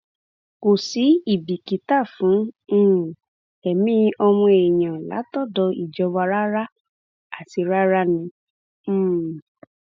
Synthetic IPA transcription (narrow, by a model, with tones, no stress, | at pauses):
ko˨si˨˦i˦˨bi˨ki˨˦ta˦˨fũ˨˦˨ | ɛ˨mĩ˦ʔɔ˧mũ˧e˨j̃ã˨la̰˨˦tɔ˦˨dɔ˧i˨d͡ʒɔ˧wa˧ɾa˦ɾa˦ | a˦˨ti˧ɾa˦ɾa˦nĩ˧˦˨